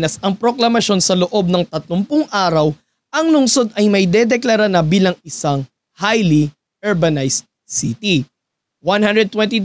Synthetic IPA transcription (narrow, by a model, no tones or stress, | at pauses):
nɐsɐŋpɾoklɐmɐʃo̞nsɐloʔo̞b̚nɐŋt̪ɐt̪lompʊŋʔaːɾɐw | ʔɐŋlʊŋso̞d̪̚ɐjmɐjd̪ɛd̪ɛklɐɾanɐbiːlɐŋɪsaŋ | hajli | ʔɛɹbɐnajst̪̚ | sit̪i | wanhand̪ɾɛd̪̚t̪wɛ̃nt̪i